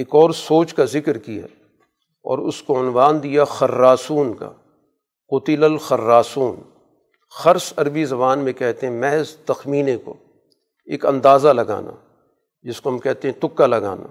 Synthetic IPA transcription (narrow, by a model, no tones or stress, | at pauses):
eːkɔːɾsoːt͡ʃkazɪkɾkija̰ | ɔ̰ːɾʊ̰skoʊnʋaːnd̪ijaxɐɾːaːsuːnka̰ | qʊt̪ɪləlxɐɾːaːsuːn | xɐɾsɐɾbizɐbaːnmẽkɛɦt̪eɦɛ̃mɛɦzt̪ɐxmiːnẽko̰ | ḛːkɐ̰̃nd̪aːzalɐɡa̰ːna̰ | d͡ʒɪskoɦɐmkɛɦt̪ẽɦɛ̃t̪ʊkːalɐɡa̰ːna̰ː